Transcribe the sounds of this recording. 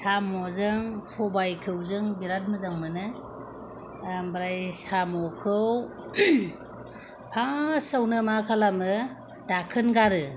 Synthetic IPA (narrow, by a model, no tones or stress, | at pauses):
samɔzɯŋsɔbajkʰɯwzɯŋbiɾat̚mɯzaŋmɯnɯ | bɾajsamɔkʰɯw | pʰasawnɯmakʰalamɯ | dakʰɯnɡaɾɯ